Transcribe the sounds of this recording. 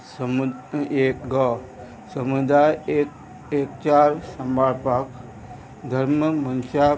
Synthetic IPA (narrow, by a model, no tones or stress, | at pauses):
smekɡɔ | səmud̪ajek | ekt͡ʃaɾsəmbʱaɾpak | d̪ʱəɾməmənt͡ʃa